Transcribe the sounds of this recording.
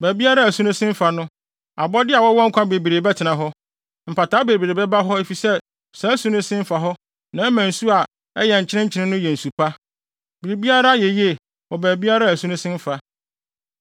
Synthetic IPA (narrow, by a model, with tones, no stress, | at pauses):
bæː˨bi˦a˦ɾa˦æ˨sũ˦nʊ̃˦sɪ̃˦m̩˦fa˨nʊ̃˦ | a̰˨bɔ˦dɪ˦a˨wɔ˦wɔ̃˦ŋ̩˦kʰʷã˦be˨bi˨ɾeː˨bɛ˦tʰɪ˨nã˨ɦɔ˦ | m̩˨pʰa˨tʰaː˦be˨bi˨ɾe˨bɛ˦ba˦ɦɔ˦e˦fi˨sɛ˦˨ | sɛ˨˦sũ˦nʊ̃˦sɪ̃˦m̩˦fa˨ɦɔ˦ | nã˨˦mæ̃˨n˨su˦a˨ | ɛ˦jɛ˨ɲ̩˨t͡ɕʰɪ˦ɪ̃˦ɲ̩˦t͡ɕʰɪ˦nɪ̃˦nʊ̃˦jɛ˨n̩˨su˨pʰa˦ | bi˨ɾi˨bi˦a˦ɾa˦jɛ˨je˦˨ | wɔ˨bæ˨bi˦a˦ɾa˦æ˨sũ˦nʊ̃˦sɪ̃˦m̩˦fa˨